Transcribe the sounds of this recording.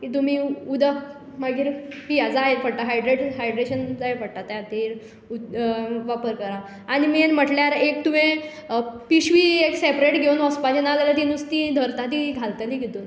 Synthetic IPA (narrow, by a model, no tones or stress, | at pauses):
kit̪̬um̤iud̪ə | maɡiːɾpijad͡zaɦeɾfəɽt̪aɦajɖɾeʈɦajɖɾeɕənd͡zaefəɽt̪at̪jat̪iɾ | uʋapəɾkəɾaː | ɽ̃imienm̤əʈljaɾekt̪umẽ | piɕʋieksepɾeʈɡʱeunɔspad͡ʑenallat̪inust̪id̪ʱəɾt̪at̪iɡʱalt̪əliɡit̪un